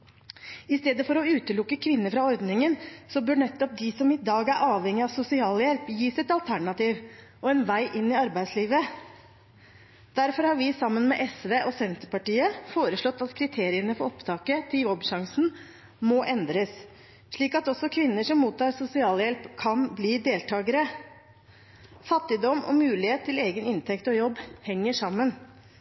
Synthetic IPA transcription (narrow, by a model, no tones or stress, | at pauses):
ɪst̪eːd̪əfɔɾɔʉːt̪əlʊkːəkʰʋɪnːəɾfɾɑɔɾd̪nɪŋənsɔbœɳɛt̪ːɔp̚d̪ɪsɔmɪd̪ɑːɡæɾʔɑːʋhɛŋːɪɑʋsʊsɪɑːljɛlpjiːsɪt̪ɑlt̪ʰæɳɑt̪iːʋ | ɔɛnʋæɪʔɪnːɪɑɾbæɪd̪sliːʋə | d̪̥æɾfɔɾhɑɾʋɪsɑmːənmɛʔɛsʋeːʔɔsɛnt̪əpɑʈiːəfoːɾəʂɭɔt̪ːɑt̪kʰɾɪt̪ʰeːɾɪənəfɔɾɔpt̪ʰɑːkət̪ʰɪljɔbʃɑŋsn | mɔʔɛnd̪ɾəs | ʂɭiːkɑt̪ɔsɔkʰʋɪnːəʂɔmːuːt̪ʰːɑːɾsʊsɪɑːljɛlpkʰɑnbliːd̪eːlt̪ʰɑːɡəɾə | fɑt̪ːɪd̪ɔmɔ̰mʉːlɪheːt̪ʰːɪleːɡənɪnt̪ʰɛkt̪ɔjɔbːhɛŋːəʂɑmːən